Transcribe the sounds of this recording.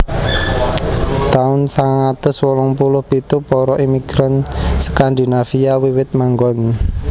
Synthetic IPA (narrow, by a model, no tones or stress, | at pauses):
t̪aʊnsaŋaŋat̪ʊswɔlʊŋpulʊhpit̪upɔɾɔʔimiɡ̥ɾansə̥kand̪i̤nafiawiwɪt̪̚maŋɡɔn